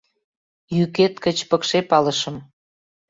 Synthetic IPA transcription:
jyket̪kət͡ɕpəkʃepɑləʃə̆m

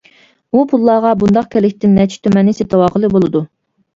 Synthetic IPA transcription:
upʰulˠːɑːʁɑbund̪ɑq̚kʲɛlɪkʲt̪ɪnːɛt͡ʃʰi̥t̪ʰømɛnːɪset̪ʰɨwɑːqəlˠɨbolˠɨd̪u

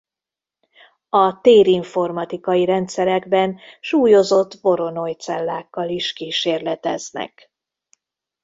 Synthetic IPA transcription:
ɒt̪eːɾiɱfo̞rmɒt̪ikɒiɾɛnt̪sɛɾɛɡbɛnʃuːjo̞zo̞t̪ːvo̞ɾo̞no̞jt̪sɛlːaːkːɒliʃkiːʃeːrlɛt̪ɛ̰znɛ̰k

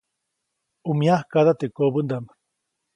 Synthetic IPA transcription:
umiahkaðat̪ekobund̪am

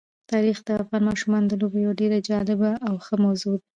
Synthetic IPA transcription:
t̪ɑɾixd̪əafɣɑnmɑʃumɑnd̪əlobjawaɖeɾad͡ʒɑlɪbaʔːwxəmawzud̪

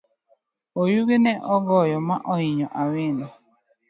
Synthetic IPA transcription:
ojuɡenɛʔɔɡɔjɔmaʔɔɪɲɔʔawɪnɔ

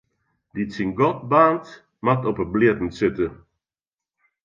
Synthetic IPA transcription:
ditsinɡɔt̚baːnt | matɔpəblɪətn̩sɪtə

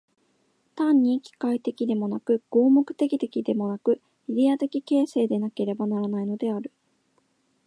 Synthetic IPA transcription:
t̪ãɲ̟ːikʲi̥kait̪e̞kʲid̪e̞mo̞nakɯ̟ɡ̥o̞ːmo̞kɯ̟̥t̪e̞kʲit̪e̞kʲid̪e̞mo̞nakɯ̟ | id̪ʲejat̪e̞kʲike̞ːse̞ːd̪e̞nake̞ɾe̞banaɾanaino̞d̪e̞aɾɯ̟

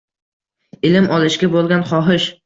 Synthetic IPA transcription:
ɪlɪmʔɒlˠɪʃɡʲabolˠɡʲanχɒɦɪʃ

